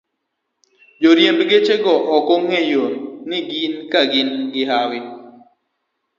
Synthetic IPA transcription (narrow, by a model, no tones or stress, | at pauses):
d͡ʒoɾjembɡet͡ʃeɡɔʔɔkoŋhejonnɪɡinkaɡɪnɡɪɦawɪ